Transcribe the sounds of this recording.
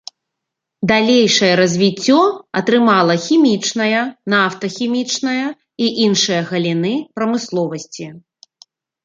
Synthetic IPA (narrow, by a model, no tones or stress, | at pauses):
d̪alʲejʂɐjɛɾɐzʲvʲit͡sʲːɔɐt̪ɾɨmalˠɐxʲimʲit͡ʂnɐjɐnaft̪ɐxʲimʲit͡ʂnɐjɐ | iʔinʂɐjɐɣɐlʲinɨpɾɐmɨslˠɔvɐsʲt͡sʲi